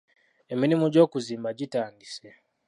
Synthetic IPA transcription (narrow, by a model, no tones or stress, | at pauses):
eminimuɟo̞ːkuziːmbaɟitaːndise